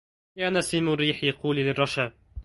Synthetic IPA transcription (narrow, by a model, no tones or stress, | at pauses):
jaːnasiːmʊrːiːħjaquːllɪrˤːɑʃab